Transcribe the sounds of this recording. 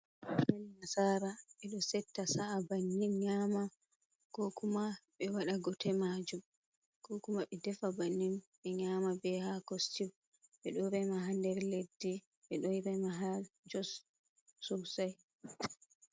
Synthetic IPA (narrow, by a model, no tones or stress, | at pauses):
kaninasaːɾaɓɛɗɔsɛtːasaabanːinɲama | ɡ̥ɔkʰumaɓɛwaɗaɡɔtɛmad͡ʒum | ɡ̥ɔkumaɓɛdɛfabanːinɓɛɲamabɛhakostiw | ɓɛɗɔɾɛmaɦandɛɾledːi | ɓɛɗɔjɾɛmaɦald͡ʒɔs | susaj